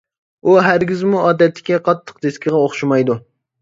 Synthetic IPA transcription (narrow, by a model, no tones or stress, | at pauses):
uɦæɾɡʲizmuʔɑːd̪ɛt̪ːɪ̥kʲɛqʰɑt̪ʰːə̥q̚d̪eskʲɪʁɛoχʃumɑjd̪u